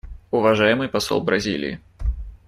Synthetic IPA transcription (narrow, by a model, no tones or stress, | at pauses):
ʊvaʐajɪmɨjpasɔ̰lˠbɾɐzʲḭlʲɪ̰jḭ